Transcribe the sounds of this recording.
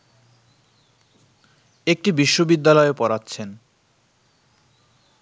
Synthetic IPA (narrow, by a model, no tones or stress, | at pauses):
ek̚ʈibiʃːobid̪ːalɔepɔɾatːɕʰen